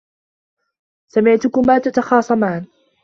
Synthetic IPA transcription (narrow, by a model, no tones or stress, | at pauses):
samɪʕt̪ʊkʊmaːt̪at̪ɑxɑːsˤɑmaʕːn